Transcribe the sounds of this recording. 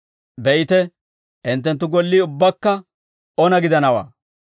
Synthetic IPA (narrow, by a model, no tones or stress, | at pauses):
bɛjɪt̪ɛ | ʔɪnt̪ːɛnt̪̬ːʊɡɔlːiːʊbːɐkːɐ | ɔnɐɡɪd̪ɐnɐwa̰ː